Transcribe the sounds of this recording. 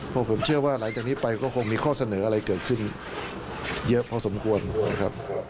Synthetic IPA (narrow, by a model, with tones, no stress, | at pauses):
pʰɔ˧pʰo˩˦mt͡ɕʰɯ˥˩ɐwaː˥˩laː˩˦ŋt͡ɕaː˨˩k̚niː˦˥pa˧jkɔː˥˩kʰo˧ŋmiː˧kʰɔː˥˩sa˧nɤː˩˦ʔa˧ɾa˧jkɤː˨˩t̪̚kʰɯ˥˩n | jɤ˦˥ʔpʰɔː˧so˩˦mkʰu˧ənna̰˦˥˩kʰa˦˥p̚